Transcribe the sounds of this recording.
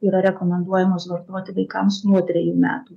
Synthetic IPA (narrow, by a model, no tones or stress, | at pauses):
iːɾɐɾʲɛkomʲɛnd̪uɔjɛmosʋɐɾt̪oɔt̪ʲɪʋɐɪkɐmsnuɔt̪ʲɾʲɛjuːmʲæ̰ːt̪uː